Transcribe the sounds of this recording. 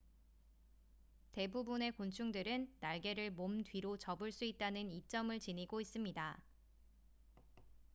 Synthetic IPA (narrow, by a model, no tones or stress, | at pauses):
te̞bubune̞kont͡ɕʰuŋdɯɾɯnːaɭɡe̞ɾɯɭmomdɥiɾot͡ɕʌbɯɭs͈uit̚t͈anɯnit͡ɕ͈ʌmɯɭt͡ɕiniɡois͈ɯmɲida